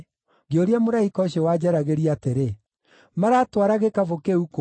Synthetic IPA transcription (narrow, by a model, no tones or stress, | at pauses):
ɡioɾiamoɾaikɔɕewad͡ʑɛɾaɣeɾiateɾe | maɾatwaɾaɣekavokeuk